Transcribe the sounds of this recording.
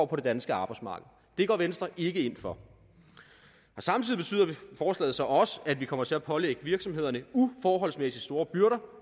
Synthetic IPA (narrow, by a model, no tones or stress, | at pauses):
pʰɒ̽ɾe̝d̥ænsɡ̥əɑ̈ːb̥ɑ̈ɪsmɑ̈ːɡ̥ð̞̩ˠd̥e̝ɡ̥ɒ̰ːʋensd̥ʁɐʔe̝ɡ̥əe̝n̰fɒ̽ | ɒ̽sɑ̈mt͡sʰiðˠib̥e̝y̰ːð̰ˠɐifɒːslɛ̰ð̩ˠsɒ̽ʔɒ̽səæd̥ʋikʰɒ̽m̰ɐt͡sʰe̝æpʰɒ̽leɡ̥əʋiɐɡ̥sɒ̽me̝ð̰ˠɐnəufɒːɦɒ̽l̰smesi̥sd̥o̝ːɐb̥yɶɐɾɐ